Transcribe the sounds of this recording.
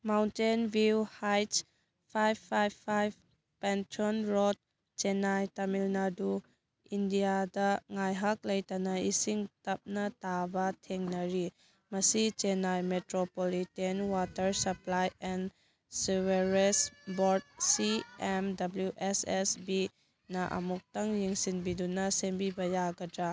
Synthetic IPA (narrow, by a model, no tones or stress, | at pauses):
mawntenbiwhajt | pʰajbʰajbʰajb | pentʰonɾod̚ | t͡ʃenajtamilnadu | indijadɐŋajɦak̚lɐjtanaisiŋtɐp̚nɐtabɐtʰeŋnɐɾi | mɐsit͡ʃenajmetɾopolitenwatɐɾsɐplajɛn | siweɾesboɾd̚siɛmdɐbljuʔesesbi | nɐʔɐ̰muk̚taŋjiŋsinbidunɐsembibɐjaɡɐdɾa